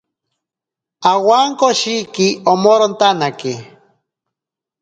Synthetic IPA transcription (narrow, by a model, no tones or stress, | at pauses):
awaŋkoʃikiomoɾont̪anaki